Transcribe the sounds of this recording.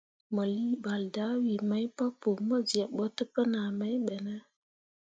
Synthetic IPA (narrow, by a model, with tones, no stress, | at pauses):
mə˨li˦ba˨lda˦wi˨ma˦jpa˦po˨mə˦zi˨a˨ɓɔ˦tə˦pə˦na˨ma˦jɓe˨nə˦